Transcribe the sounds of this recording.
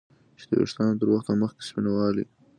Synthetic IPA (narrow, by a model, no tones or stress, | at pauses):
t͡ʃe̥d̪ə̰jḛʂt̪ɑnot̪əɾwaxt̪aməxke̥spinawɑlḭ